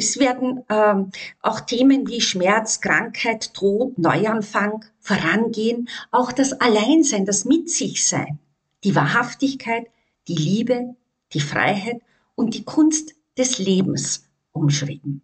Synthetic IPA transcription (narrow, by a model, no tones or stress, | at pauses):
ɛsv̥eːɐdn̩ː | ʔa̰ʊxtʰeːmənviːʃmɛɐt͡skʁ̥aŋkhaɪtːʁoːpnɔ̰ʏanfaŋ | foːɐʁanɡeːənʔaʊxd̥asalaɪnzaɪndasmɪtz̥ɪçz̥a̰ɪn | d̥iːvaːɐɦaftɪçkʰaɪt | d̥iːliːbə | d̥iːfʁ̥a̰ɪɦaɪt | ʊnt̚d̥iːkʰʊnst | d̥ɛsleːbm̩s | ʔʊmʃʁ̥ɪtn̩